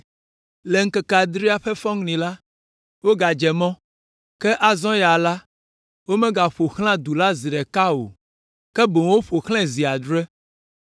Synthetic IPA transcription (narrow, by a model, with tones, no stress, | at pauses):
le˨ŋ̩˦kɛ˨ka˨d̪ɾi˦a˦ɸɛ˦fɔ̃˦ŋnĩ˨la˦ | wo˦ɡa˨d͡ʒɛ˨mɔ̃˦ | kɛ˦ʔa˦zɔ̃˦ja˨la˦ | wo˦mɛ̃˦ɡa˨ɸo˨xl̃ã˦d̪u˨la˦zi˨ɖɛ˨ka˦o̰˨ | kɛ˦bo˨ŋ˦wo˦ɸo˨xlɛ̃˦zi˨a˨d̪ɾɛ˦